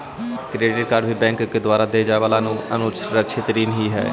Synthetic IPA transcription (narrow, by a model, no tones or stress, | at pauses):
kɾeːʈɪɖ̚kaɾbʱiːbɛ̃ːŋkked̪ʊaːɾaːd̪eːd͡ʒaːʋaːlaːnũə̰nut͡ʃɾət͡ʃʰeːt̪əɾiːnɦiːɦɛ̰ː